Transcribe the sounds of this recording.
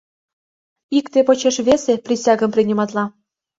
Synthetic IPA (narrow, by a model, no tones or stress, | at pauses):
ikt̪epot͡ɕeʃβʲeseprʲisʲɑɡə̆mprʲinʲimɑt̪lɑ